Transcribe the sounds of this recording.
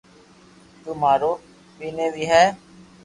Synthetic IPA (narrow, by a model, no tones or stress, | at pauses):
t̪umaːɾoː | piːneːʋiːɦɛː